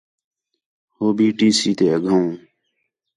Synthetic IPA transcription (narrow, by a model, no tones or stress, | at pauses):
hoːbiːʈiːsiːt̪eːəɡʱəũː